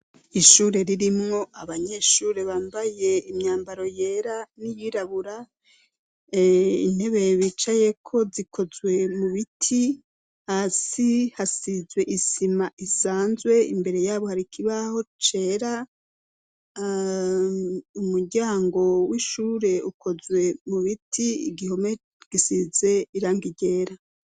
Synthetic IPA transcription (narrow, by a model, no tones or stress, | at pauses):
iʃuːɾe̞ɾiɾimŋo̞aβaɲe̞ʃuːɾe̞βaːmbaje̞imɲaːmbaɾo̞jeːɾanijiɾaβuɾa | ḭn̥he̞βe̞jβit͡ʃaje̞kʰo̞zikʰo̞zwe̞muβitʰi | hasihasizwe̞ʔisimaʔisaːnzwe̞ḭmbe̞ɾe̞jaːβo̞haɾikʰiβaho̞t͡ʃe̞ɾa | umuɾɟaːŋɡo̞wiʃuːɾe̞ukʰo̞zwe̞muβitʰiɡiho̞me | ɡ̥isize̞iɾaːŋɡiɟe̞ːɾa